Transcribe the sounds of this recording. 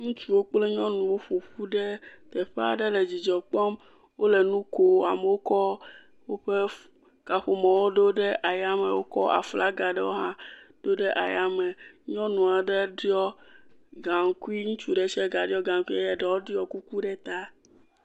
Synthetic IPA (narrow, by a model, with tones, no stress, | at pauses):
ŋũ˦t͡ʃu˦wo˦k͡ple˦ɲɔ̃˦nũ˨wo˦ɸo˨ɸu˦ɖe˦t̪ɛ˨ɸe˦a̰˦ɖɛ˦le˨d͡ʑi˨d͡ʒɔ˨k͡pɔ˦m | wo˦le˨nũ˦ko˨a̰˨me˨wo˦kɔ˦ | wo˦ɸe˦ | ka˨ɸo˨mɔ̃˨wo˦ɖo˦ɖe˦ʔa˨ja˦me˨wo˦kɔ˦a̰˨fla˦ɡa˨ɖɛ˦wo˦ɦã˦ɖ̥o˦ɖe˦ʔa̰˨ja˦me˨ɲɔ̃˦nũ˨a˨ɖe˦ɖi˦ɔ˦ɡa˨ŋ˨ku˦i˦ŋũ˦t͡ʃu˦ɖe˨t͡ʃɛ˦ɡa˨ɖi˦ɔ˦ɡã˨ŋ˦ku˦i˦a˦ja˨ɖɛ˨wo˦ɖi˦ɔ˦ku˦ku˦ɖɛ˦t̪a˦